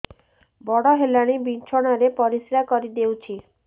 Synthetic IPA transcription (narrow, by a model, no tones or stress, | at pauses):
bɔɽɔɦelaɽ̃ibint͡ʃʰɔɽ̃aɾepɔɾisɾakɔɾid̪ewt͡ʃʰi